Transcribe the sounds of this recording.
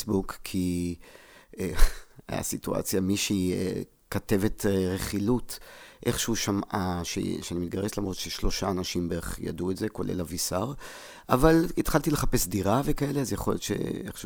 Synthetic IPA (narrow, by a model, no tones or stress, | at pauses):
sbukkʰi | ea̰situa̰t͡sjamiʃiḛ | kate̞ve̞tʁeχilutʔe̞χʃeuʃamʔaʃḛʃeanimit̚ɡaʁeslamʁo̞t̪ʃeʃlo̞ʃaːnaʃimbeʁeχja̰duetzeko̞lʔe̞̰lavisaʁ | avalit̪χaltileχape̞sdiʁavekae̞leazjaχo̞ljotʃḛeχʃ